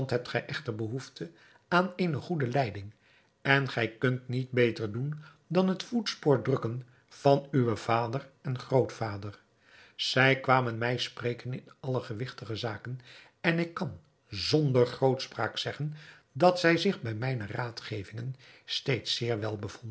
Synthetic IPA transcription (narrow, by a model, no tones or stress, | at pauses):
ntɦɛp̚tχɛjʔɛχtəɹbəɦuftʰə | aːnejnəχudəlɛjdɪŋ | ɛnχɛjkɵntnit̚bejtəɹdun | dɑnɦətfutspoːɹdrɵkən | v̥ɑnyʋəv̥aːdərɛnχrowtfaːdər | z̥ɛjkʋaːmənmɛjspreːkənɪnɑləχəʋɪχtəχəzaːkən | ɛnɪkːɑn | zɔndəɹχrowtspraːksɛχən | dɑtsɛjzɪχbɛjmɛjnəraːtχejvɪŋən | stejtsɪːɹʋɛlˠbəvɔndə